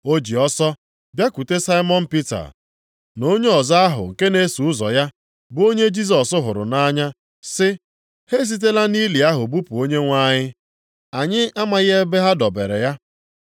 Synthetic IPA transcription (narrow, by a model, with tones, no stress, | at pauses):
o˦d͡ʒi˨ɔ˦sɔ˦ | bja˦ku˨te˦sa˦i˦mɔ˦n̩˦pi˦ta̰˨ | no˦ɲe˦ɔ˨za˦a˦ɦʊ̰˨ŋ̩˨ke˦ne˦su˨ʊ˦zɔ̰˨ja˦ | bʊ˦o˦ɲe˦d͡ʒi˦s̬ɔ˨sʊ˦ɦʊ˨ɾʊ̰˨na˦ɲa˦ | sɪ˦ | he˦s̬i˦t̬e˦la˦ni˦li˨a˦ɦʊ˨bu˦pu˨o˦ɲe˦ŋʷa˦ɲɪ˦ | a˨ɲɪ˦ʔa˦ma˨ɣɪ˦e˦be˦ɦa˦dɔ˨be˨ɾḛ˨ja˦